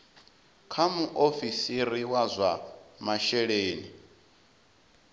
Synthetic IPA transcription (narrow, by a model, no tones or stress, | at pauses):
kʰamuʔofisiɾiwazʷamaʃɛɺeːni